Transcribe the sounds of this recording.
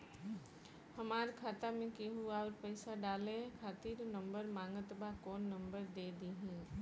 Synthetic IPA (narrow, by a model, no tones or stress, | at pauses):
hɐmaːɾkʰaːt̪amẽkiɦuaɔːɾpɛɪsaɖaːlekʰaːt̪iːɾnɐ̃mbəɾmãːŋɡət̪bakoːnːɐ̃mbəɾd̪eːd̪iːɦĩː